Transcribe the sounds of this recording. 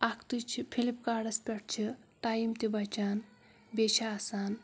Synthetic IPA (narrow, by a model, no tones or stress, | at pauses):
akʰt̪ut͡ʃʰipʰilip̚kaːɾɖɐspʲɐʈ̚t͡ʃʰiʈaːjimt̪ibɐt͡ʃaːn | bet͡ʃʰaːsaːn